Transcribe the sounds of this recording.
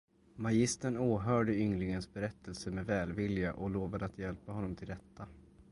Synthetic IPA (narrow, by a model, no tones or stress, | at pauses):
majɪst̪əɳoːɦœːɖəʏŋlɪŋənsbɛɾɛt̪ʰːəlsəmɛvɛːlvɪljaʔɔloːvad̪əat̪jɛlpaɦɔnːɔmt̪ʰɪld̪ɛt̪ʰːa